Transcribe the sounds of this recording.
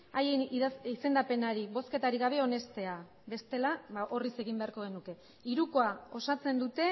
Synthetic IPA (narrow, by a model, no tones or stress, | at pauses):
ajeniise̞nd̪ape̞naɾiβo̞ske̞t̪aɾiɣaβ̞e̞o̞ne̞st̪e̞a | be̞st̪e̞laβaʔo̞rise̞ɣ̞imbe̞aɾko̞ɣ̞e̞nuke̞ | iɾuko̞ao̞sat͡se̞nd̪ut̪e̞